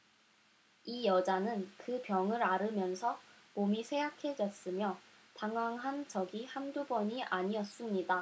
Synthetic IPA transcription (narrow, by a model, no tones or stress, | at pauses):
ijʌd͡ʑanɯnkɯpjʌŋɯɾaɾɯmjʌnsʰʌmomisʰe̞jakʰe̞d͡ʑʌs͈ɯmjʌ | taŋwaŋɦant͡ɕʌɡihandubʌɲiʔaɲiʌs͈ɯmɲida